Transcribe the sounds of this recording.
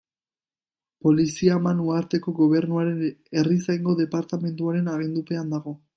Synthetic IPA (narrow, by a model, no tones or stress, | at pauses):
po̞lisiamanuaɾt̪e̞ko̞ɣo̞β̞e̞ɾnuaɾe̞ne̞risajŋɡo̞ðe̞paɾt̪ame̞nd̪uaɾe̞naβe̞nd̪upe̞and̪aɣ̞o̞